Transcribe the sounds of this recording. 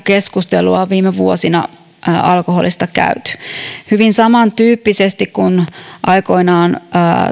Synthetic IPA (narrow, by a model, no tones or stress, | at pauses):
ke̞skust̪eluɑʋiːmeʋuosinɑ̰ | ɑlkoɦolist̪ɑkæ̰yt̪y̥hyʋinsɑmɑnt̪yːpːisest̪ikkunʔɑjko̞inɑːnː